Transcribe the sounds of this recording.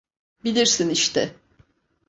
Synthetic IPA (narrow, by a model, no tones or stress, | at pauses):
bilʲiɾsiniʃt̪ʰɛ